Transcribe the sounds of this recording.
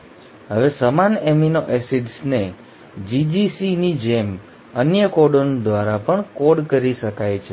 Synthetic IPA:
ɦəʋesəmaneminoʔɛsiɖsne | d͡ʒid͡ʒisinid͡ʒem | ənjəkoɖond̪ʋaɾapəɳkoɖkəɾiʃəkajt͡ʃʰe

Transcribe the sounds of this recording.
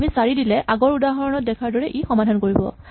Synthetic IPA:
misaɹidilɛʔaɡɔɹudaɦɔɹɔnɔt̚dɛkʰaɹdɔɹɛʔixɔmadʱankoɹibɔ̰

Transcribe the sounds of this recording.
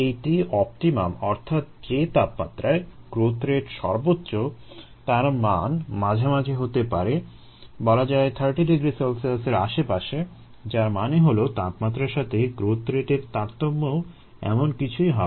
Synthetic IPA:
ejʈiɔp̚ʈima̰mɔɾt̪ʰat̪d͡ʑet̪apma̰t̪ːɾaeɡ̥ɾot̪ʰɾeʈʃɔɾbotːɕo | t̪aɾmanmad͡ʑʱamad͡ʑʱeɦot̪epaɾe | bɔlad͡ʑaet̪ʰəɾʈiɖiɡɾisəlselseɾaʃepaʃe | d͡ʑaɾmaneɦolot̪apmat̪ːɾaɾʃat̪ʰeɡɾot̪ʰɾeʈeɾt̪aɾt̪omːoo | ɛ̰monkit͡ɕʰujɦɔ

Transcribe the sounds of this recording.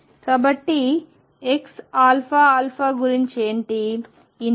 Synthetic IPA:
kaːbɐʈːi | eksaːlpʰaːaːlpʰaːɡuɾiɲt͡ʃeːɳʈiː

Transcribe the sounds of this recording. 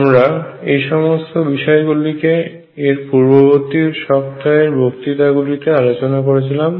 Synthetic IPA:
mɾaejʃɔmost̪obiʃɔeɡulike | eɾpuɾboboɾt̪iɾʃɔp̚t̪aeɾbʱokt̪it̪aɡulit̪ealot͡ɕonakoɾet͡ɕʰilam

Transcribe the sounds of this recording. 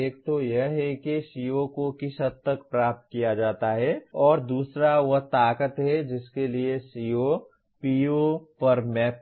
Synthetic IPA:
eːk̚t̪ojɐɦɦɛkiʃijokokɪʃət̪̚t̪ːəkpɾaːp̚t̪kijad͡ʒaːt̪aɦɛɔːɾd̪uːsɾaʋɐɦt̪aːkət̪ɦɛd͡ʒɪskeliesio | piːopɐɾmɛːp̚

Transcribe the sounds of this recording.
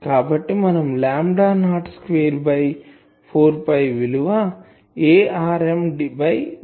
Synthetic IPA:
kaːbɐʈːimɐnɐmlaːmɖaːnaːʈskʋeːɾbɐj | pʰoːɾpɐjʋiluʋaː | eːaːɾemɖibɐj

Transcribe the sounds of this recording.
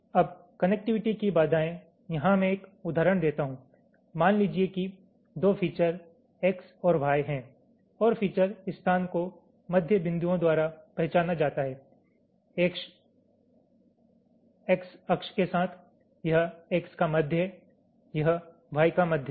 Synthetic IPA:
ɐb | kɐnɛk̚ʈɪʋɪʈikibaːd̪ʱaːẽ | jɐɦãmɛ̃eːkʊd̪ʱaːɾəɽ̃d̪eːt̪aɦũː | maːnliːd͡ʒieki | d̪oːfiːt͡ʃəɾ | eːksɔːɾʋʱaːjɦɛ̃ | ɔːɾfiːt͡ʃəɾɪst̪ʰaːnko | mɐd̪ʱjəbɪ̃nd̪ujõd̪waːɾapɛɦt͡ʃaːnad͡ʒaːt̪aɦɛː | eːkʃ | eksɐkʃkesaːt̪ʰ | jɐɦeːkskamɐd̪ʱjə | jɐɦ | ʋʱaːikamɐd̪ʱjə

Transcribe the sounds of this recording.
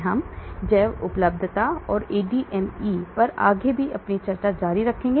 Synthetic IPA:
ɦɐmd͡ʒɛːʋʊpləb̚d̪ʱt̪aɔːɾeːɖiʔɛmiːpɐɾa̰ːɡebʱiʔɐpnit͡ʃɐɾt͡ʃad͡ʒaːɾiɾɐkʰːẽːŋɡe

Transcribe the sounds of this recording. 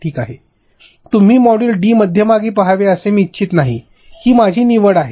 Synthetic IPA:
ʈʰiːkaɦe | t̪um̤iːmɔɽulɖiːməd̪ʱjəmaɡiːpəɦaʋeəsemiːtːt͡ɕʰiːt̪naɦi | kiːmad͡ʑʱiːniʋəɽaɦe

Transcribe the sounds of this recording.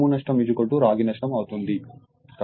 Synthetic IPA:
unɐʂʈɐmid͡ʒukoʈːuɾaːɡinɐʂʈɐmɐwut̪und̪i | t̪

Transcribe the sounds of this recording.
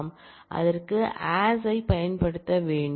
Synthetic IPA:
m | ʔɐ̰ðɐrkɯʔaːsɐɪpɐjɐnpɐɽɯt̪ːɐʋeːɳɖ

